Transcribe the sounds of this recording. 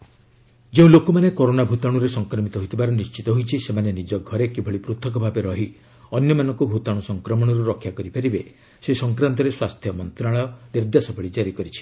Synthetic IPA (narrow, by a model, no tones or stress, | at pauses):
d͡ʒeũlokumanekoɾonabʱut̪aɽ̃uɾesɔŋkɾɔmit̪ɔɦojt̪ʰibaɾɔnist͡ʃit̪ɔɦojt͡ʃʰisemanenid͡ʒɔɡʱɔɾekibʱɔɭipɾut̪ʰɔkɔbʱabeɾɔɦi | ɔnjɔmanɔŋkubʱut̪aɽ̃usɔŋkɾɔmɔɽ̃ɔɾuɾɔkʰːjakɔɾipʰaɾibe | sesɔŋkɾant̪ɔɾeswast̪ʰjɔmɔnt̪ɾaɭ̃ɔniɾd̪jasɔbʰʱɔɭid͡ʒaɾikɔɾit͡ʃʰi̥